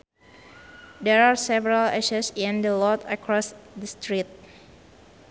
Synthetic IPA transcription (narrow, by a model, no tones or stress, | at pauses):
dɛɹaɹsɛvɛɹalɛʃasɪ̃ndəlɔt̪əkɹɔsdəst̪ɹit̪̚